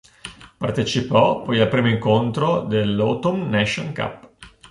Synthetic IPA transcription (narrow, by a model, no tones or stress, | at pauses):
part̪et͡ʃipɔpɔjalpɾiːmoiŋkont̪ɾod̪elːot̪umnɛʃoŋka̰pː